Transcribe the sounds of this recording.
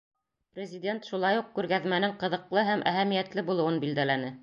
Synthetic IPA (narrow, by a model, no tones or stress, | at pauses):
prʲɪzʲɪdʲent̪ʃulˠɑjuq̚kʉɾɡæðmænɘŋqɤ̆ðɤ̆qlˠɤɦæmʔæ̰ɦæmijæt̪lɘbulˠɤ̆wɤnbild̪ælænɘ